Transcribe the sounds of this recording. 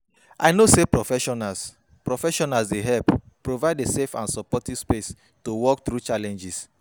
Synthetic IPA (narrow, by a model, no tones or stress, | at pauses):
ʔa̰ɪnosepɹɔfɛʃɔnas | pɹɔfɛʃɔnasdeɦɛlp | pːɹovaɪdesefã̰nsɔpɔtiv̥spes | towɔk̚t̪ɹut͡ʃalɛ̃nd͡ʒis